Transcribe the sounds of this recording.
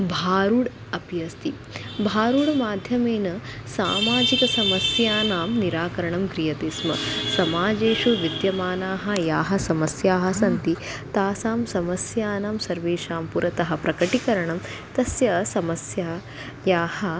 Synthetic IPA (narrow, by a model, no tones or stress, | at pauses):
bʱaːɾuɽ | ɐpjɐst̪i | bʱaːɾuɽmaːd̪ʱjɐmeːnɐsaːmaːd͡ʒikɐsɐmɐsjaːnaːmniɾaːkɐɾɐɳɐmkɾijɐt̪eːsmɐ̰sɐmaːd͡ʒeːʃuʋid̪jɐmaːnaːɦɐ̆jaːɦɐ̆sɐmɐsjaːɦɐ̆sɐnt̪i | t̪aːsaːmsɐmɐsjaːnaːmsɐɾʋeːʃaːmpuɾʔɐt̪ɐɦɐ̆pɾɐkɐʈikɐɾɐɳɐm | t̪ɐsjɐsɐmɐsjaː | jaːhɐ̆